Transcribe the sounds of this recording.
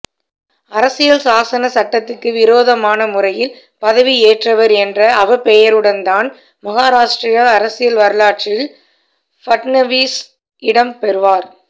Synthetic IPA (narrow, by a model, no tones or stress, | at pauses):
ɐɾɐsɪjɐlsaːsɐnɐsɐʈːɐt̪ːɯkːɯʋɪɾoːðɐmaːnɐmʊrɐjɪl | pɐðɐʋieːʈrɐʋɐɾɛndrɐʔɐʋɐpɛjɐɾɯɽɐnd̪aːn | mɐɣaːɾaːʂʈɾɪjaɐɾɐsɪjɐlʋɐɾɯlaːʈ̚t͡ʃɪjɪl | fɐʈnɐʋiːs | ɪɽɐmpɛɾɯʋaːɾ